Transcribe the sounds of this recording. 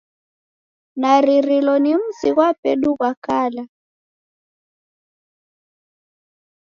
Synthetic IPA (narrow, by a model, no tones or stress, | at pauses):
naɾiɾilɔnim̩siɣwapɛ̰ɗuɣwakala